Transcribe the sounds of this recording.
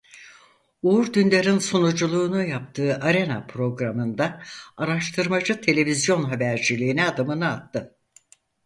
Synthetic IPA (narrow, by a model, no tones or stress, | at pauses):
uuɾd̪ynlʲeɾinsonud͡ʒulˠuːnujap̚t̪ʰɯːʔaɾe̞na̰pʰɾo̞ɡɾamɯnd̪aaɾaʃt̪ʰɯɾmad͡ʒɯt̪ʰe̞lʲe̞vizjo̞nɦabæɾd͡ʒilʲiːnɛad̪ɯmɯnɯat̪ʰːɯ